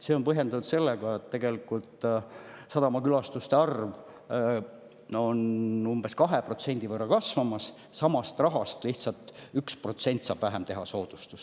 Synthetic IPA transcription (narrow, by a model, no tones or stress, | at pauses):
seːo̞npɤɦje̞nd̪uud̪se̞lːeɡ̥ɑet̪ːeɡ̥e̞likːˑult̪ | sɑd̪ɑmɑkylɑst̪ust̪e̞ɑrv | o̞numb̥e̞skɑɦe̞pro̞t̪se̞nʲd̪̥ivɤrːɑkɑsvɑmɑsː | ɑmɑst̪rɑɦɑst̪liht̪sɑlt̪ˑyksprot̪se̞nʲt̪ˑsɑ̰ːb̥væɦemt̪e̞ɦɑso̞ːd̪̥ust̪u̥s